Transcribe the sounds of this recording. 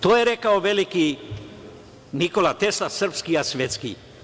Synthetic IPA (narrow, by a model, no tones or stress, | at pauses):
t̪oːjeɾekaoʋeliki | nikolat̪eslasr̩pskiasʋet̪skḭ